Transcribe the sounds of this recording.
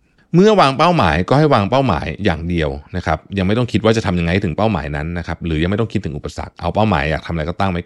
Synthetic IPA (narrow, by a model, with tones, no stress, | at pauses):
mɯ˥˩ɐwaː˧ŋpa˥˩wma̰ː˩˦jkɔː˥˩ha˥˩jwaː˧ŋpa˥˩wma̰ː˩˦jːaː˨˩ŋdi˧əwna˦˥kʰa˦˥p̚ja˧ŋma˥˩jt̪ɔ˥˩kʰi˦t̪̚waː˥˩t͡ɕa˨˩t̪ʰa˧mja˧ŋːa˧jt̪ʰɯ˩˦pa˥˩wma̰ː˩˦jna˦˥nːa˦˥kʰa˦˥p̚ɾɯː˦ja˧ŋa˥˩t̪ɔ˥ŋkʰi˦t̪ʰːɯ˩˦ŋʔpːa˧sa̰˨˩k̚ʔa̰˧wpa˥˩wma̰ː˩˦jːaː˨˩t̪ʰa˧mʔjkɔ˥˩t̪aː˥˩ŋma˥˩